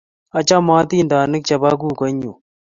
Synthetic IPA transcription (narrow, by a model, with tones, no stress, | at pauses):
ɐ˨t͡ʃaː˦mãː˦t̪iːnd̪aː˨nɨ˦k̚t͡ʃɐ˨baː˦ɡ̬uː˦kɐ˦ɲu˨